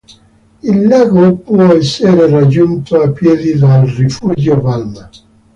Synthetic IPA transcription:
ilːaːɡopwɔɛsːeɾerad͡ʒːunt̪oapːjɛːd̪id̪alrifud͡ʒopalma

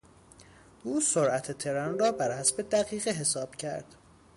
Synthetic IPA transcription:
ʔuːsoɾʔæt̪ʰet̪ʰe̞ɾɒnrɒːbæɾhæsbe̞d̪æɣiːɣeɦe̞sɒːb̥cʰæ̰ɾd̪̥

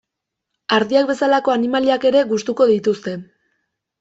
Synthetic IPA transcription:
aɾðiak̚be̞salako̞animaliake̞ɾe̞ɣust̪uko̞ðit̪ust̪e̞

